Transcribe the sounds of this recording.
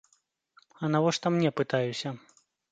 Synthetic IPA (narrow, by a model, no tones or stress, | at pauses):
ɐnavɔʂt̪ɐmnʲɛpɨt̪ajusʲɐ